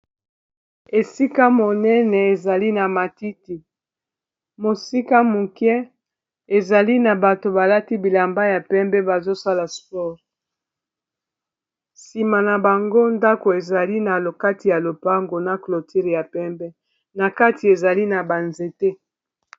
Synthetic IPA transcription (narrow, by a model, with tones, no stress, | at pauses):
e˨si˦ka˦mo˨nɛ˦nɛ˨e˨za˨li˦na˨ma˨ti˦ti˨ | mo˨si˦ka˦mu˨kjɛ˦ | e˨za˨li˦na˨ba˨to˨ba˨la˦ti˦bi˨la˨mba˦ja˨pɛ˦mbɛ˦ba˨zo˦sa˦la˨spɔ˦ʁ | si˨ma˨na˨ba˨ŋɡo˦nda˦ko˨e˨za˨li˦na˨lo˨ka˦ti˨ja˨lo˨pa˦ŋɡo˨na˨klo˨tʰi˦ʁja˨pɛ˦mbɛ˦ | na˨ka˦ti˨e˨za˨li˦na˨ba˨nze˨te˦